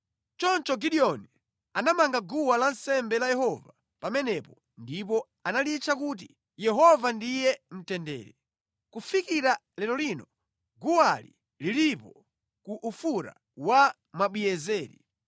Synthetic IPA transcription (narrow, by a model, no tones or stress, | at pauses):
t͡ʃɔnt͡ʃɔɡiɗiɔni | anamaŋɡaɡuwalansɛmbɛlajɛhɔva | pamɛnɛpɔ | ndip̬ɔ | analit͡ʃʰakut̬i | jɛɦɔvandijɛm̩tɛndɛ̰ːɾɛ | kufikiɾa | lɛɾɔlinɔ | ɡuwali | lilipɔ | kuʔufuɾa̰ | wa | maɓwijɛzɛːɾḭ